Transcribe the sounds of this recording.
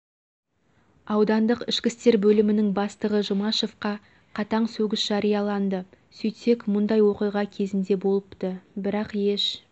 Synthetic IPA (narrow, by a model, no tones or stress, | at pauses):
ɑwd̪ɑnd̪əqɪʃkʲɪst̪e̞ɾbɵlɪmɪnɪŋbɑst̪əʁəʒʊmɑʃo̞fqɑ | qʰɑt̪ɑɴsɵɡʲɪsʒ̥ɑɾijɑlˠɑnd̪ə | sɵjt̪e̞kmʊnd̪ɑjwo̞qijʁɑkʲʰe̞zɪnd̪e̞bo̞lˠəpt̪əbɪɾɑqje̞ʃ